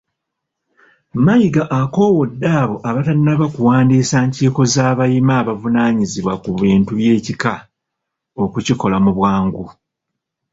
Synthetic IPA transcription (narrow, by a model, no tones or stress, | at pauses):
majiɡaʔako̞ːwo̞dːaːβo̞ʔaβataninaβakuwaːndiːsaːɲciːko̞zaːβajimaːβavunaːɲiziβwakuβiːntuβje̞ːcika | o̞kuciko̞lamuβwaːŋɡu